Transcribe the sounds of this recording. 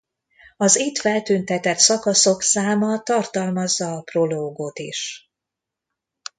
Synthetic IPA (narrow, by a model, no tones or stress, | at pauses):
ɒzit̪fɛlt̪ynt̪ɛt̪ɛt̪sɒkɒso̞ksaːmɒt̪ɒrt̪ɒlmɒzːɒːpro̞loːɡot̪ḭʃ